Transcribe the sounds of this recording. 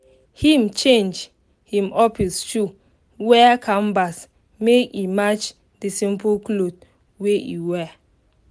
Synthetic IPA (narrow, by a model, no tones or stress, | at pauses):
hĩmt͡ʃẽnd͡ʒ | hĩmɔfist͡ʃu | wɛkʰãmbas | meimat͡ʃ | disĩmpuklod | weḭwɛ